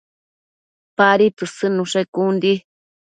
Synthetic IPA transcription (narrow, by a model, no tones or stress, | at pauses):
paɾit̪ɨsɨnũʂekund̪i